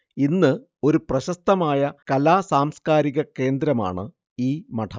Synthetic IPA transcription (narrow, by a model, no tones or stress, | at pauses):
inːɨ | o̞ɾuprɐɕɐst̪ɐmaːjɐkɐlaːsaːmskaːɾiɣɐke̞ːnd̪ɾɐma̰ːɳɨ | iːmɐʈʰɐ